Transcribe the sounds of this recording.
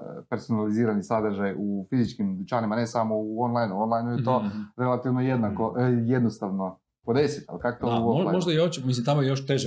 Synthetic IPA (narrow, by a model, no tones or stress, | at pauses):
pe̞ɾso̞naliziːɾanisad̪ɾʒajufizit͡ʃkimd̪ut͡ʃanimane̞samo̞uonlˠajnuonlˠajnujet̪o̞ɾe̞lat̪iʋnoje̞d̪nako̞ʔje̞d̪nost̪aʋno̞ | po̞d̪e̞sit̪a̰lkakot̪ouoamoʒd̪ajeot͡ʃmis̬limt̪amojejoʃt̪eʒɛ